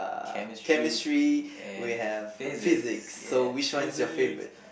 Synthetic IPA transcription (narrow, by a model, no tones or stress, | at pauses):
kʰɛmɪstɹ̥iwiɨv̥fɪzɪksːoʊwiʃɔ̃ɪ̃təfeɪvɹɨ̰t̚